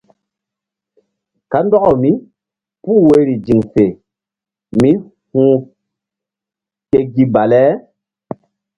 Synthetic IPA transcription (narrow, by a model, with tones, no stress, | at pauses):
ka˨˦ndɔ˦ɔ˨mi˦ | puː˦˨we˦ɾi˨d͡ʒi˨ŋse˨ | mi˦ | hũ˦ | ke˨ɡi˦ba˨lɛ˦